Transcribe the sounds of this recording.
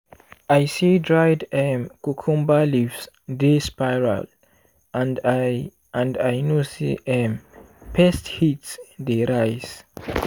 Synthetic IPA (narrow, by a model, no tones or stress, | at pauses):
ajsidɹajdɛmkukʰũmbalifs | despajɹa̰l | n | ãndajnosḭʔɛm | pɛsthitsdeɹajs